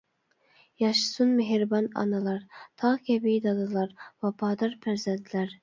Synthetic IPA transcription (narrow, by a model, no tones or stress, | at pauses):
jɑʃɨ̥sunmɪɦɾbɑnɑ̰nɨlˠɑɾt̪ʰɑʁkʲɛbid̪ɑd̪ɨlˠɑɾvɑpʰɑːd̪ɑɾpʰæɾzɛd̪læɾ